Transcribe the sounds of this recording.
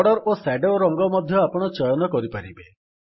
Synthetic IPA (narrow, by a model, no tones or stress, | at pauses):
ɽɔɾʔosaɖoɾɔŋɡɔmɔd̪ʱjɔapɔɽ̃ɔt͡ʃɔjɔnɔkɔɾipaɾibe